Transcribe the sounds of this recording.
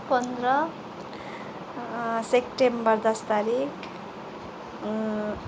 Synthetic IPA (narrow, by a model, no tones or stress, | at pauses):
pʌnd̪ɾʌ | sekʈembʌɾd̪ʌst̪aɾik